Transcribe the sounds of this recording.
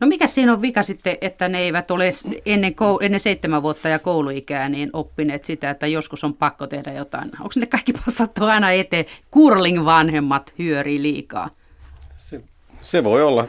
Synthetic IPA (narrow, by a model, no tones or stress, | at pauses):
nomikæssiːnoʋʋikɑsit̪ːeʔet̪ːæneeiʋæt̪olesenːeŋkouʔenːeseit̪ːemæʋuot̪ːɑjɑkouluikæːniːnopːineːt̪sit̪æet̪ːæjoskusompɑkːot̪ehdæjot̪ɑ̰ino̰ŋksnːekkɑi̥kːipɑssɑt̪ːuɑinɑet̪eːkurliŋʋɑnhemːɑt̪hyøriːliːkɑ̰ː | se | seʋoiolːɑ